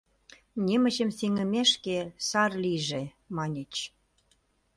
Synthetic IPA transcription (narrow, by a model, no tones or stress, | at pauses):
nʲemə̆t͡ɕəmsiŋə̆meʃkesɑrliʒe | mɑnʲet͡ɕ